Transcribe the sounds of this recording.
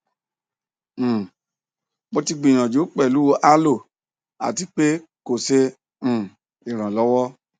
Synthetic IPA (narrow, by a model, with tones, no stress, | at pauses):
mo˧ti˧ɡ͡bĩ˨j̃ã˨d͡ʒo˨˦k͡pɛ˦˨lu˨˦wo˧˦ʔa˦lo˦˨ | a̰˨ti˧˦k͡pe˦ | ko˨sẽ˧˨ | i˨ɾ̃ã˨lɔ˨˦wɔ˦